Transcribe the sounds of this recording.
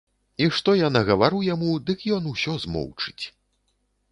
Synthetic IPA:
iʂt̪ɔjanɐɣɐvaɾɨwjamud̪ɨkjɔnusʲɔzmɔ̰wt͡ʂɨ̥t͡sʲ

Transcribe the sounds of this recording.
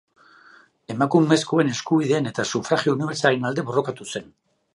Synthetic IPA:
e̞makume̞skue̞ne̞skuβiðe̞ːne̞t̪asufɾaɣio̞uniβe̞ɾsalenald̪e̞βo̞ro̞kat̪use̞n

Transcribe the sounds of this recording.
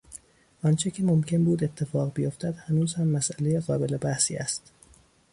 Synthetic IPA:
ʔɒnt͡ʃʰecʲʰemomcʰe̞nbuːd̪et̪ʰːe̞fɒːɣbejo̞ft̪æd̪̥hænuːz̥hæmːæsʔælejeɣɒːbe̞le̞bæhsḭːæ̰st̪

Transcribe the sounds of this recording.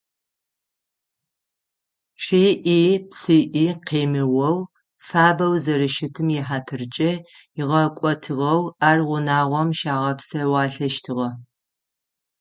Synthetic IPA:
ɕiːʔiːpsiʔiːqeːmɨwɐw | faːbɐwzɐɾɨʃɪtʰɨmjɛħaːtʰɨrt͡ʃʼɐ | jɪʁɐkʷʼɔtʰɨʁɐwaːrʁʷʊnaːʁʷɔmʃaːʁɐpsɐwɑːɬɐʃtʰɨʁɐ

